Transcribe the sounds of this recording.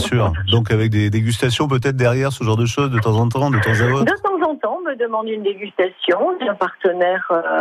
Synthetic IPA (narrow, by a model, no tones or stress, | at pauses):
syːʁd̪ɔ̃kavɛk̚d̪ed̪eɡʲyst̪asjɔ̃p̬øt̪ɛt̪χd̪ɛʁjɛʁsəʒɑ̃ʁd̪əʃozd̪ət̪ɑ̃zɑ̃t̪ɑ̃d̪ət̪ɑ̃zaot̪d̪ət̪ɑ̃zɑ̃t̪ɑ̃məd̪əmɑ̃d̪ynd̪eɡʲyst̪asjɔ̃d̪ɛ̃paʁt̪ənɛʁ